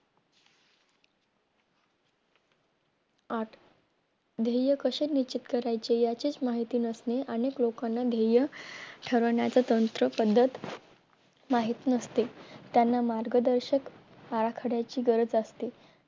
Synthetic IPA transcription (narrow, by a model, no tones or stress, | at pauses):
aʈ | d̪ʱejəkəɕeɾnit͡ɕit̪kəɾajt͡ɕejat͡ɕiːt͡smaɦit̪iːnəsneʔəneklokanːad̪ʱejəʈʰəɾəɳjat͡sat̪ənt̪ɾəpəd̪ʱːət̪ | maɦit̪inəst̪et̪janːamaɾɡəd̪əɾɕək | aɾakʰəɽjat͡ɕiːɡəɾət͡sast̪i